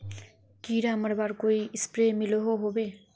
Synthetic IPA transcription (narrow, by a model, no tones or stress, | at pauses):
kiɾamʌɾbaɾkojispɾemiloɦoɦobe